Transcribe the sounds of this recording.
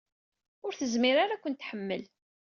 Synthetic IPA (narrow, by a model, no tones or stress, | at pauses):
ʊɾθəzmiɾaɾakʷənt̪ːħəmːəl